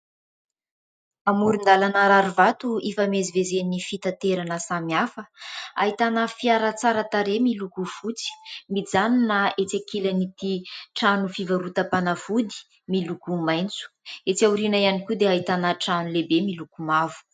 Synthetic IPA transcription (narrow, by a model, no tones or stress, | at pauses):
amuɾund̪alanaɾaɾuvat̪uifamezivezenifit̪at̪eɾanəsamiafəaɦit̪anəfiaɾət͡saɾat̪aɾemilukufut͡si̥mid͡zaninaet͡sakilanit̪iʈ͡ʂanufivaɾut̪əpanafud̪i̥ | milukumajnt͡su̥et͡sauɾinaianikʲud̪eaɦit̪anəʈ͡ʂanulebemilukumavu̥